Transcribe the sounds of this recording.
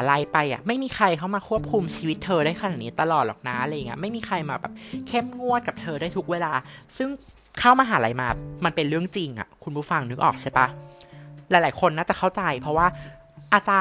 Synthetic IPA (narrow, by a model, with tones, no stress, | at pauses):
a˩˦la˧jpa˧jʔa̰˨˩ma˥˩jmiː˧xʰa˧jkʰa˥˩wmaː˧kʰu˥˩əp̚kʰu˧mt͡ɕʰiː˧wi˦˥t̪ʰːɤː˧ɾaː˥˩jʰka˧naː˨˩t̪̚iː˦˥t̪a˧lɔː˨˩t̪̚lɔː˨˩k̚naː˦˥ʔla˧ja˨˩ŋi˦˥ma˥˩jmiː˧xʰa˧jmaː˧bɛ̰ː˨˩p̚kʰe˥˩mŋu˥˩ət̪̚ka˨˩p̚t̪ʰɤː˧ɾaː˥˩jt̪ʰu˦˥k̚weː˧laː˧sɯ˥˩ŋ | kʰa˥˩wmaː˧ɦaː˨˩˦la˧jmaː˧ma˧npe˧nɾɯ˥˩əŋt͡ɕi˧ŋʔa̰˨˩kʰu˧npʰuː˥˩fa˧ŋnɯ˦˥k̚ʔɔː˨˩k̚sʰa˥˩pa˦˥ | lɛː˨˩˦jlaː˨˩˦jkʰo˧nːaː˥˩t͡ɕa˨˩kʰa˥˩wt͡ɕa˧jpʰɾɔ˦˥waː˥˩ | ʔaː˧t͡ɕaː˧